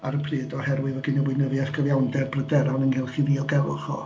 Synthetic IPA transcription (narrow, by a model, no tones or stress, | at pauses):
aɾəpʰrɨːdɔhɛrwɪðəɡɪnəwɪnəvjaskʰəvjawndɛrbrədɛɾawnənɡɪlˠχiðiːɔlˠɡɛlʊ̰χɔ̰